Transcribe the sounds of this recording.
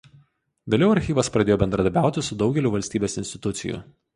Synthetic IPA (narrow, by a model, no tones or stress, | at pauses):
ʋʲeːlʲɛʊɐɾʲxʲiːʋɐspɾɐd̪ʲeːjoːbʲɛnd̪ɾɐd̪ɐɾbʲæˑʊt̪ʲɪsʊd̪ɒʊɡʲɛlʲuːʋɐlʲsʲt̪ʲiːbʲeːsɪnʲsʲt̪ʲɪ̥t̪ʊt̪sʲɪ̰jʊ̰ˑ